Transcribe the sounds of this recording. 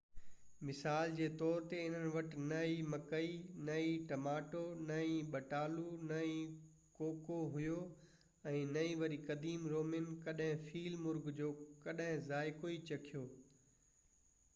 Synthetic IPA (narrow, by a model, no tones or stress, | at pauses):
mɪsaːld͡ʑeːt̪ɔːɾt̪eɪn̤ənɪ̆ʋɐʈnɐimɐkəinɐiʈɐmaːʈonɐĩɓɐʈaːlunɐĩ | koːkoɦʊjo | ɛ̃ːnɐĩʋɐɾikɐd̪iːmɾoːmɪnkɐɗɦɪ̃fʰiːlmʊɾɡd͡ʑoːkɐɗɦɪ̃zaːɪkoːit͡ɕɐkʰijoː